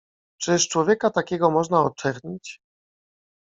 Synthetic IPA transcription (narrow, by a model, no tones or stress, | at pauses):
t͡ʂɘʂt͡ʂwɔvʲjɛkat̪akʲɛɡɔmɔʐnaɔt͡ʂɛɾɲit͡ɕ